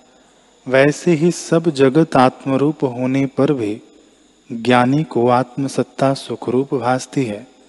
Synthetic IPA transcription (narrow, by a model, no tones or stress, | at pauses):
ʋɛːseɦisɐbd͡ʒɐɡət̪aːt̪məɾuːpɦoːnepɐɾbʱi | ɡjaːnikoaːt̪məsɐt̪ːasʊkʰɾuːpbʱaːst̪iɦɛː